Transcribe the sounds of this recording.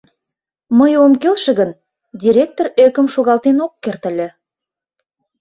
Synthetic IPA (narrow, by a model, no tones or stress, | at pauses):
məjomkelʃə̆ɣən | dʲiɾʲek̚t̪orøkə̆mʃoɣɑlt̪enokːert̪ə̆lʲĕ